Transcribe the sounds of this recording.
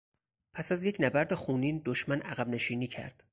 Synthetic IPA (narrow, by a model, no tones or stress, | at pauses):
pʰæsæzje̞cʰnæbæɾd̪exuːniːnd̪oʃmænʔæɣæbne̞ʃiːniːcʰæ̰ɾd̪̥